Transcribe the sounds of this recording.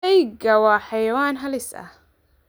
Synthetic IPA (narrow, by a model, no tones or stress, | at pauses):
ɛjɡɐwɑːħɑjɐwaːnɦɐlɪsɐ̰h